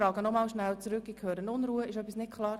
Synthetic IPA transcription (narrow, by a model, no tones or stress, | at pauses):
ɾɑːɡənɔmɑːlʃnælt͡sɾʏkːɪkʰøːɾənʊnɾuːəɪʃœpisnɪtkʰlɑːɾ